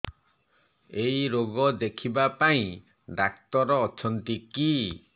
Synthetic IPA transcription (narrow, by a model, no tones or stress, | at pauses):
ejɾoɡɔd̪ekʰibapaĩ | ɖakt̪ɔɾɔːt͡ʃʰɔnt̪iki